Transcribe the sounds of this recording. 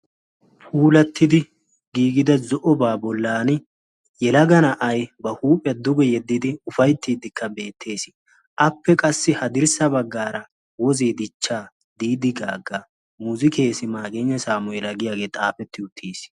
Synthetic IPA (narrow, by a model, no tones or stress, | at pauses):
fʰuːlɐt̪ːɪd̪ɪ | ɡiːɡɪd̪ɐzɔʔɔbaːbɔlːaːnɪ | jɛlɐɡɐnɐʔɐjbɐhuːpʼɛɐd̪ʊɡɛjɛd̪ːɪd̪ɪʊfɐjt̪ːiːd̪ɪkːɐbe̞ːt̪ʰːe̞ːsɪ | ʔɐpːɛkʼɐsːɪhɐd̪ɪɾsɐbɐɡːaːɾɐ | wɔzeːd̪ɪt͡ʃːaː | d̪iːd̪ɪɡa̰ːɡːɐ | muːzɪkʰeːsɪmaːɡeːɲːɐsaːmʊɛlɐɡɪjaːɡe̞ːt̪ʼaːfɛt̪ːɪʊt̪ʰːiːs